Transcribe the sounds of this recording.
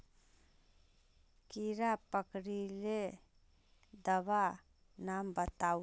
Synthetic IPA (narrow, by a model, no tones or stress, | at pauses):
kiɾapəkɾile | d̪əba | nambət̪a